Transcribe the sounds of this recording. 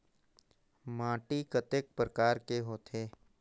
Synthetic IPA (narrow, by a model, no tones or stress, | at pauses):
mãːʈikət̪ek̚pɾəkaːɾkeɦoːt̪ʰeː